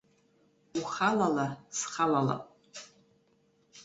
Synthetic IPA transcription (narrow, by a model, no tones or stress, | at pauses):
uχalalasχalala̰pʼ